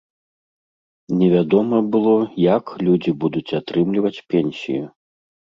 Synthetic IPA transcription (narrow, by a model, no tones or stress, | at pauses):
nʲɛvʲad̪ɔmɐbɨlˠɔjaklʲud͡zʲibud̪ut͡sʲat̪ɾɨmlʲivɐt͡sʲpʲɛnʲsʲḭju